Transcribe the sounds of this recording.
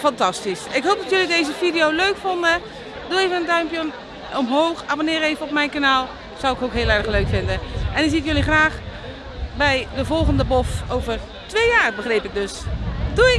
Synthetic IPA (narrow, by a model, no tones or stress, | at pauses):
fɑntɑstisɪkɦoːp̚dɑtjɵlidejzəvidijowløɥkfɔndə | duejvənəndœɥmpjə | ɔmɦoːxabonɪːɾejvəɔp̚mɛjnkanaːlˠ | zʌwɪkowkɦɪːlˠɛɹdəχløɥkfɪndəʔɛnɪzitjøliχraːχ | bɛjdəvɔlˠχəndəbɔfowvər | tʋejjaːrbəχrejpɪɡ̚dɵsduɪ